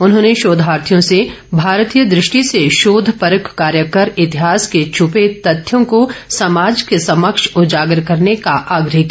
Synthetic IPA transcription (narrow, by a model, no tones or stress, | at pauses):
ʊnɦõːneʃoːd̪ʱɦaːɾt̪ʰjõse | bʱaːɾt̪ijəd̪ɾɪʃʈiseʃoːd̪ʱpɐɾəkʰkaːɾjəkəɾɪt̪ɪɦaːsket͡ʃʰʊpet̪ɐt̪ʰːjõkosɐmaːd͡ʒkesɐməkʃʊd͡ʒaːɡəɾkɐɾnekaʔaːɡɾəɦkː